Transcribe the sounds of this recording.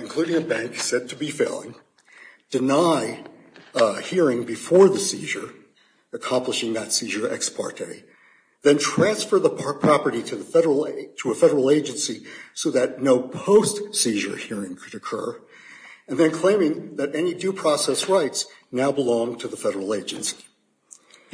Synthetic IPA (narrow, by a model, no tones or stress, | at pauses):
ɨ̃n̩kʰl̥ʉɾɪ̃ŋɨbæ̃ŋksɛd̚tʰɨbifeɪlˠɪ̰̃ŋ | d̥ɨnaɪ | hiɹɪ̃ŋbɨfɔɹðɨsiʒə˞ | ɨkʰɑ̃mpləʃɪ̃ŋðɨtsiʒə˞ʔɛ̰kspʰɑ̰ɹɾʰḛɪ | ðɨ̃ntʰɹ̥æ̃nsfə˞ðəpʰpʰɹ̥ɑpə˞ɾiɾɨðɨɾə˞l̩ˠɾəəfɛɾə˞l̩ˠeɪd͡ʒɨ̃nsisoʊðɨtⁿnoʊpʰoʊstsiʒə̰˞hiɹɪ̃ŋkʰɨɾɨkʰɜ̰˞ | ɨ̃nðɨ̃nkʰl̥ẽɪ̃mɪ̃ŋðɨɾɛnidʉpʰɹ̥ɔsɛsɹaɪtsnaʊbəlɔ̃ŋtʰɨðəfɛɾə˞l̩ˠeɪd͡ʒɨ̃nsi̥